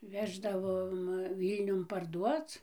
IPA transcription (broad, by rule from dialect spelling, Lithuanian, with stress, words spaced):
ˈʋʲæːʒdɐʋoːm ˈʋʲiːlʲnʲʊn pɐrˈduɔt͡s